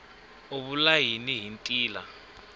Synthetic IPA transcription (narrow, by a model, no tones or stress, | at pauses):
oɓulajiniɦintʼiːla̰